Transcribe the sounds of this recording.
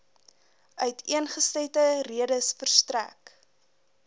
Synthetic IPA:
ʔœɥtʰiənχəstejtəriədəsfərstræ̰k

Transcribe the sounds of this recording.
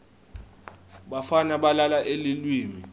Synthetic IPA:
ɓafanaɓalalaʔelilwiːmi

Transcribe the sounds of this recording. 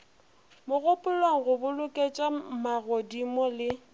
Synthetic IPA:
mʊɣʊpʼʊlwaŋ̩ɣʊbʊlʊkʼet͡ʃʼamaɣodimɔlɪ

